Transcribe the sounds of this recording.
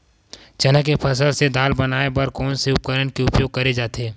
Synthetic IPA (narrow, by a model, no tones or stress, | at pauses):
d͡ʒɐnəkepʰɐsəlsed̪aːlbɐnaːepɐɾkɔːnseʊp̚kəɾənkeʊpjoːɡ̚kɐɾed͡ʒaːt̪eː